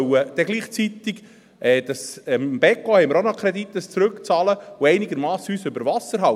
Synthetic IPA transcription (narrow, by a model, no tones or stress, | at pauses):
əd̪̥ɛɡliːχt͡sit̪ɪɡ | ɛːd̥̪ɑsəmmb̥ɛkːohɛɪməɾonɔkʰɾɛd̪it̪ːəst͡sɾɵkt͡sɑːləʊɛɪnɪɡəɾmɑːsyːsʏbəɾvɑsəɾɦɑ